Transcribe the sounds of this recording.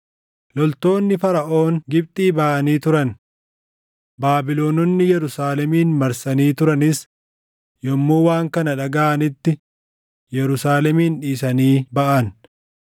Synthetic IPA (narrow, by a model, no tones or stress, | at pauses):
lɔlt̪o̞ːnːɪfɐɾɐʔo̞ːŋɡɪb̚t̪ʼiːbɐʔɐniːt̪ʊɾɐn | baːbɪlo̞ːnɔnːɪjɛɾʊsaːlɛmiːnmɐɾsɐniːt̪ʊɾɐnɪs | jɔmːuːwaːŋkɐnɐᶑɐɡaːʔɐnɪt̪ːɪ | jɛɾʊsaːlɛmiːnᶑiːsɐniːbɐʔɐn